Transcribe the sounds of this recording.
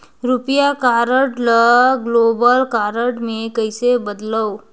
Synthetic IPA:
ɾupjakaːɾəʈləɡloːbəlkaːɾəʈmẽkəɪsebəd̪ləo

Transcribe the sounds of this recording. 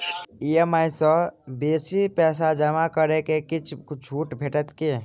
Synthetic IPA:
ijəmajsə̃beːsipɛːs̬ad͡ʒəmakəɾekekit͡ʃʰt͡ʃʰuːʈbʱeʈət̪ke

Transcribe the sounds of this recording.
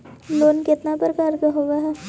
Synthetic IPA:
loːnkɪt̪napəɾkaːɾkaɦoːɡaɦɛː

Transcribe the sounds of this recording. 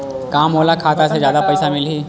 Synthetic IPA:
kãːmoːlakʰaːt̪ased͡ʒjaːd̪apəjsamɪlɦiː

